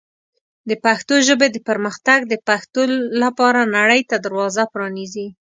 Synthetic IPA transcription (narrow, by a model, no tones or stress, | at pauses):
d̪əpaxt̪oʒəbed̪əpəɾməxt̪aɡd̪əpaxt̪olapɑɾanaɽəjt̪ad̪aɾwɑzapɾɑnizi